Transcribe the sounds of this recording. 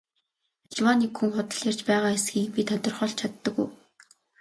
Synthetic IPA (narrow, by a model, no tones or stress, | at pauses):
ɮwanikxuŋχʊt̪ə̆ɮjar̥t͡ɕpæːʁaːesɡiːkpʲit̪ʰɔt̪ɞ̆rχɔɬt͡ɕʰat̪ːə̆ɡṵj